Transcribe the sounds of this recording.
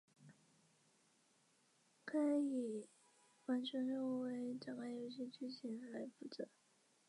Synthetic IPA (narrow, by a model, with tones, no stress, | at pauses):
kʰɤə˧˥i˨˩ | xwa˧˥nt͡ɕʰɛ˧˥nɻo˥˩we˧˥ɪʈ͡ʂɑ˨˩ŋɡa˥njo˧˥ʊɕ̬i˥t͡ɕy˥˩t͡ɕʰi˧˥nla˧˥ɪpu˧˩ʈ͡ʂə˧˩˦